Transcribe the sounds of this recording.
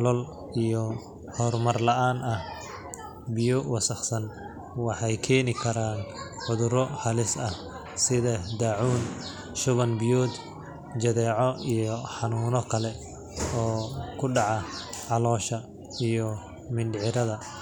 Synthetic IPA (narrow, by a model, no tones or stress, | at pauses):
lɔl | ijɔ | hɔrmɐrlɐʔaːnɐh | bɪjɔwɑsɐχsɐn | wɑħɑjkʰɛːnɪkʰɐɾaːnʕʊðʊɾɔhɐlɪsɐh | sɪðɐd̪aːʕuːn | ʃʊβɐnbijɔːd̪ | d͡ʒɐðɛːʕɔijɔħɑnuːnɔkʰɐlɛ | ɔːkʰʊɖɑʕɑʕɑlɔːʃɐ | ijɔ | mɪnɖʕɪɾɐðɐ